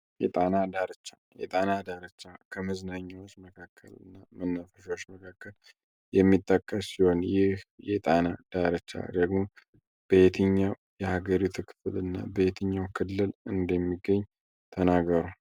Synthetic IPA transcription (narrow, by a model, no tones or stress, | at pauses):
jɛt̪ʼanad̪aɾət͡ʃːa | jɛ̰t̪ʼanad̪aɾət͡ʃːakʰəməznaɲːawot͡ʃːməkʰakʰːə̰lɨ̰nːamənːəfəʃot͡ʃːməkʰakʰːəl | jɛmːit̪ʼːəkʼːəsːiho̞njɪhjɛt̪ʼanad̪̥aɾət͡ʃːa̰d̪əɡmo | b̥əet̪ʰɨɲːaw | jɛhaɡəɾit̪ʰukʰɨ̥flɨnːa̰bəet̪ʰɨɲːawkʰɨlːɨlɨnd̪əmːiɡːəɲː | t̪ʰənaɡəɾa